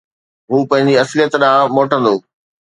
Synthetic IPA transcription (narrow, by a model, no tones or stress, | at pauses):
ɦuːpɐ̃ɦɪ̃ɲd͡ʑiɐslijət̪ɗãːmoːʈə̃nd̪oː